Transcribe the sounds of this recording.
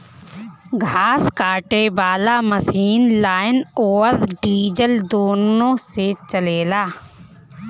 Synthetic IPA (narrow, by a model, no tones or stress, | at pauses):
ɡʱaːskaːʈebaːlaməsiːnlaːɪnɔːɾɖiːd͡ʒəld̪oːnõːset͡ʃəleːlaː